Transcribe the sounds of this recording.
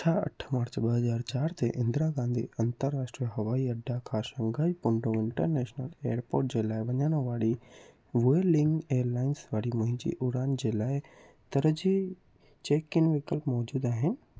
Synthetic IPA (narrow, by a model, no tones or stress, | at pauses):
t͡ʃʰaːɐ̰ʈʰməɾt͡ʃbəɦəzaːɾt͡ʃaːɾt̪ʰeʔɪ̃nd̪ɾaɡãːnd̪ʱḭɐnt̪əɾːaːʃʈɾijəɦɐʋaːiɐɖːakʰaːʃə̃ŋɡaːipʊɳɖoɪɳʈəɾnɛːʃnəlḛːəɾpoːɾʈ̚d͡ʒɪlaːeʋɐɲaːnõʋaːɽi | ʋuelɪŋɡeːɾlaːɪnsʋaːɽimɐ̃ɦĩd͡ʒḭʔʊɽaːnd͡ʒɪlaːe | t̪ɐɾəd͡ʒi | t͡ʃeːkɪnʋɪkəlpmɔːd͡ʒuːd̪aːɦɪ̃n